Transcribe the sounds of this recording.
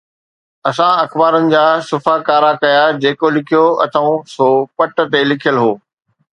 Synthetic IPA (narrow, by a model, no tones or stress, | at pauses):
ɐsãɐxbaːɾənɪ̆d͡ʑaːsʊfaːkaːɾakɐjad͡ʑeːkolɪkʰijoɐ̰t̪ʰəũsoːpɐʈə̆t̪elɪkʰijəlɦoː